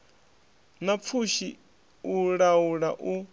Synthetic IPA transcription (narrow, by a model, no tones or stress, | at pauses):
nap̪fʰuʃi | uɺauɺaʔu